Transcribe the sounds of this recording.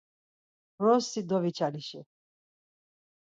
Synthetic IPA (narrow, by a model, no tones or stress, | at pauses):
ɾɔsid̪ɔvit͡ʃʰaliʃɛ